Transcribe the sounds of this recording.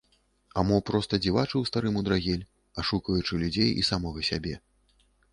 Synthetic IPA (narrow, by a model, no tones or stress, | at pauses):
amɔpɾɔst̪ɐd͡zʲivat͡ʂɨwst̪aɾɨmud̪ɾaɣʲɛlʲ | ɐʂukɐjut͡ʂɨlʲud͡zʲejḭsamɔɣɐsʲabʲɛ